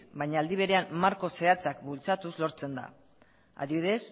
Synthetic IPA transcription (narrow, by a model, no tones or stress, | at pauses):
bajɲaːld̪iβ̞e̞ɾe̞anmaɾko̞seat͡sak̚bult͡sat̪uzlo̞ɾt͡se̞nd̪a̰ | a̰ðiβiðe̞s